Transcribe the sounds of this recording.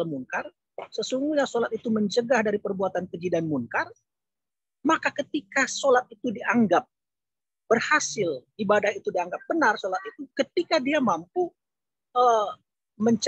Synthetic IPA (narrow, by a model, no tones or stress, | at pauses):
lmuŋkar | səsuŋɡuɲasolat̪̚it̪uməɲt͡ʃəɡahdaɾipərbuat̪ankəd͡ʒidanmuŋkar | makakət̪ikasolat̪̚it̪udiaŋɡap̚ | b̥ərhasɪlibadahit̪udiaŋɡap̚bənarsolat̪̚it̪ukət̪ikadiamampu | ə | məɲt͡ʃ